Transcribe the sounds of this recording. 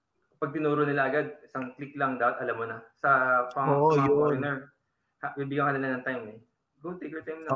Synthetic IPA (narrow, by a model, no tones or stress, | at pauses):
pɐɡ̚t̪ɪnuːɾonɪlaʔɐɡad̪̚ɪsaŋklɪklɐŋd̪aːpɐt̪ʔɐlamːonɐsɐpɐŋonɛɹ | habibiɡɐŋkɐnɪlanɐŋt̪ajmɛ | ɡont̪ekɛɹt̪ajmn